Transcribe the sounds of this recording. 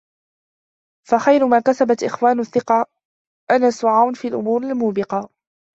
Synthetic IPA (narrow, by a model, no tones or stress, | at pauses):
faxajɾʊmaːkasabat̪ʔɪxwaːnʊθːɪqɑ | ʔanaːsʊʕawnfiːalʔʊ̰muːɾalmuːbɪqɑ